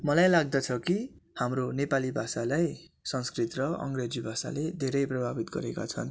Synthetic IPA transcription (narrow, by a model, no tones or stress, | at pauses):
mʌlajlaɡ̚d̪ʌt͡sʰʌkihamronepalibʱasalajsʌnskrit̪rʌʌ̰ŋɡred͡zibʱasa̰led̪ʱeɾʌjprʌbʱabit̪ɡʌ̰ɾeka̰t͡sʰʌ̰n